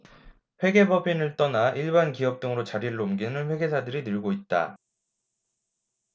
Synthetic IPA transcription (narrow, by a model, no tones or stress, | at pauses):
ɸwe̞ɡe̞bʌbʰinɯɭt͈ʌnaʔiɭbankiʌp̚t͈ɯŋɯɾot͡ɕaɾiɭːoumɡinɯnɸwe̞ɡe̞sʰadɯɾinɯɭɡoit̚t͈a̰